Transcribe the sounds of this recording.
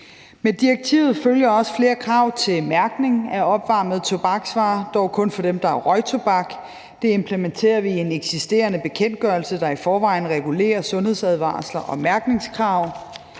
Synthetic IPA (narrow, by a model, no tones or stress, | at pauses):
med̥iɐɡ̥̚t͡sʰḭʊð̞̩ˠføljɐɒ̽sə̥fle̝ːɐkʰʁɑ̈ʊt͡sʰe̝lmæɐɡ̥ne̝ŋæɐɒ̽b̥ʋɑ̈ːmð̞̩ˠt͡sʰo̝b̥ɑ̈ɡ̥sʋɑ̈ːd̥ɒʊkʰɔ̽nfɒ̽d̥emd̥ɑ̈æɐʁɒ̽ɪt͡sʰo̝b̥ɑ̈ɡ̥ | d̥e̝e̝mpʰlement͡sʰe̝̰ːɐʋie̝neɡ̥sisd̥e̝̰ːɐnəb̥e̝kʰen̰d̥̚ɡ̥ɶːɐlsəd̥ɑ̈ifɒːʋɑ̈ɪ̰n̩ʁɛɡ̥ule̝̰ːɐsɔ̽nhe̝ð̞̰ˠsæð̞ˠʋɑ̰̈ːslɐʔɒ̽mæɐɡ̥ne̝ŋskʰʁɑ̈ʊ̰